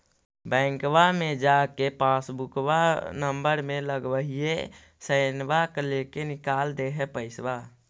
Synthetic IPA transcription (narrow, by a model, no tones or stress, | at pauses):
bɛ̃ːŋkʋamed͡ʒakepãsbukwanəmbəɾmẽləɡʋəɦie | səɪnbaklekenɪkaːld̪eɦepəɪswa